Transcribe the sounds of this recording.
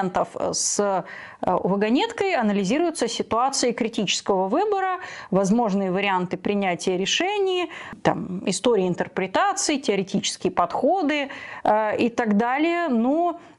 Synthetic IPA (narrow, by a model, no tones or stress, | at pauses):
nt̪əfs | vəɡɐnʲet̪kəjɐnəlʲɪzʲiɾʊjʊt̪səsʲɪt̪ʊat̪sɨɪkɾʲɪtʲit͡ɕɪ̥skəvəvɨbəɾəvɐzmo̞ʐnɨjəvəɾʲɪant̪ɨpɾʲɪnʲætʲɪjəɾʲɪʂɛnʲɪjt̪a̰mɪst̪oɾʲɪjɪnt̪ərpɾʲɪt̪at̪sɨɪtʲɪɐɾʲɪtʲit͡ɕɪ̥skʲɪjəpɐt̪xo̞d̪ɨ | ɪt̪ɐɡd̪alʲɪjəno